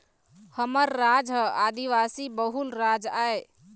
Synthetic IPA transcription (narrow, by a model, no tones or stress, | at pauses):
həməɾːad͡ʒɦad̪iʋasibəɦulɾad͡ʒae